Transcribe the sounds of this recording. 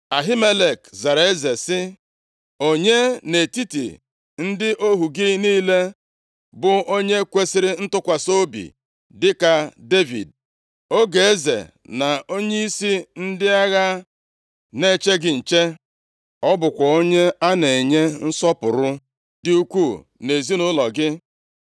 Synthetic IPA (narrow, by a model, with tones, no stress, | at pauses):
a˨ɦi˦me˦le˨kza˨ɾe˦ze˨sɪ˦ | o˦ɲe˦ne˨ti˦tḭ˨ | n̩˦dɪ˦ʔo˦ɦu˨ɡɪ˦niː˦le˦ | bʊ˨o˦ɲe˦kʷe˦si˦ɾɪ˦n̩˦tʊ˦kʷa˨so˦bḭ˨ | dɪ˦ka˨de˦vḭ˨d̚ | o˦ɡe˨e˦zḛ˨ | na˨o˦ɲe˦i˦si˦n̩˦dɪ˦a˦ɣa˦ | ne˦˨t͡ʃe˦ɡɪ˦n̩˨t͡ʃe˦ | ɔ˦bʊ˨kʷɔ˨o˦ɲe˦a˦ne˨ɲe˦n̩˦sɔ˦pʊ˨ɾʊ˦ | dɪ˨u˦kʷu˦˨ | ne˨zi˦nʊ˦lɔ˨ɡɪ˦